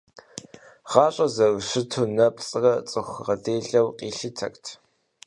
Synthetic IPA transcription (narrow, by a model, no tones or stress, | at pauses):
ʁɑːɕʼɐzɐɣʃɨtʰuːnɐpʼt͡sʼɨrɐt͡sʼɨxʷʁɐdeːɮɐwqʼiːɬɨtʰɐ̰ktʰ